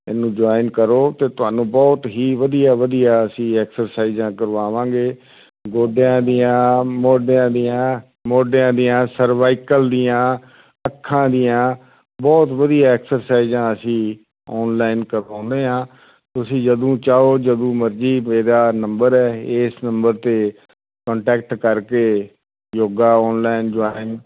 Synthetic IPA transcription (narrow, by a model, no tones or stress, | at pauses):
ɪnːũːd͡ʒaːɪnkəɾoːt̪eːt̪ʊɦaːnũːbɔːt̪ɦiːʋəd̪ijaːʋəd̪ijaːəsĩːɛːksəɾsaːizãːkəɾʋaːʋãːɡeː | ɡoːɖjãːd̪ijãːmoːɖjãːd̪ijãː | moːɖjãːd̪ijãːsəɾʋaːɪkəld̪ijãː | əkʰːãːd̪ijãː | bɔːt̪ʋəd̪ijaːɛːksəɾsaːɪzãːəsĩː | ɔːnlaːɪnkəɾãːnd̪eːɦãː | t̪ʊsĩːd͡ʒəd̪ũːt͡ʃaːoːd͡ʒəd̪ũːməɾd͡ʒiːmeːɾaːnəmbəɾɛːɪːsnəmbəɾt̪eː | kɔ̃ːɳʈɛːk̚ʈkəɾkeː | joːɡaːɔːnlaːɪnd͡ʒaːɪn